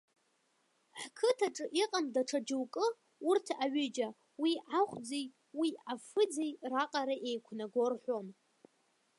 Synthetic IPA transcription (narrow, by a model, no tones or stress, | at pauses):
ħkʰɨtʰaʈ͡ʂʼɨʔiqʼamdaʈ͡ʂʰad͡ʒɨwkʼɨ | urtʰaɥʏd͡ʒa | wiʕaχʷd͡zej | wiafɨd͡zejraqʼaɾaʔe̞jkʷʰnaɡʷo̞rħʷo̞m